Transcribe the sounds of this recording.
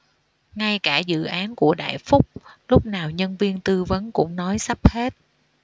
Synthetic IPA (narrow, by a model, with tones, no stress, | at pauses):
ŋa˧jkaː˧˩zɨ̰˧˨ʔaː˨˦nku˧˩əɗa̰ː˧˨jfʊ˦˥k͡p̚lʊ˦˥k͡p̚naː˨˩wɲə˧nvi˧ənt̪ɨ˧və˨˦nkʊ̰˧˥ŋ͡mnɔ˨˦jsa˦˥p̚he˦˥t̚